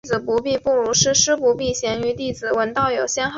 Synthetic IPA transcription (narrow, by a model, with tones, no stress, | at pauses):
d͡zɹ̩˨˩pu˧˥pi˥˧pu˥˩ɻu˧˥ʂɻ̩˥˩ʂɻ̩˥pu˧˥pi˥˩ɕjɛ˧˥ny˧˥t̪i˥˩d͡zɹ̩˨˩wə˧˥nt̪ɑ˥˩ʊjo˨˩ʊɕjɛ˥nx